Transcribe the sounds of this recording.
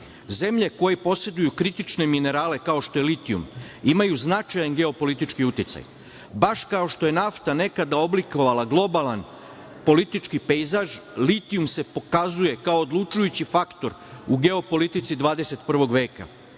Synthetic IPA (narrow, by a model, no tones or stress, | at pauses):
ze̞mʎe̞ko̞jepo̞se̞d̪ujukɾit̪it͡ʃne̞mine̞ɾaːle̞kao̞ʃt̪o̞je̞lit̪iṵmimajuznat͡ʃajanɡe̞o̞po̞lit̪it͡ʃkiut̪it̪sa̰j | baʃkao̞ʃt̪o̞je̞naft̪ane̞kad̪ao̞bliko̞ʋalaɡlˠo̞balˠan | po̞lit̪it͡ʃkipejzaʒlit̪iumsepo̞kazuje̞kao̞ːd̪lˠut͡ʃujut͡ɕifakt̪o̞ɾuɡe̞o̞po̞lit̪it̪sid̪ʋaːd̪e̞se̞t̪pr̩ʋo̞ɡʋe̞ːka̰